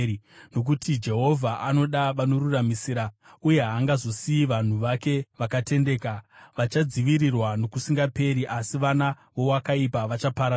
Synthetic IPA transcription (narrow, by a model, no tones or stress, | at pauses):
no̞k̬utid͡ʒe̞ɦo̞vʱaʔano̞ɗaʋano̞ruramisiɾa | uje̞ɦaːŋɡazo̞siiʋan̤uʋake̞ʋakate̞nde̞ːkaʋat͡ʃad͡ziʋiɾirwano̞kusiŋɡape̞ɾiʔasiʋana | ʋo̞wakaipaʋat͡ʃapaɾa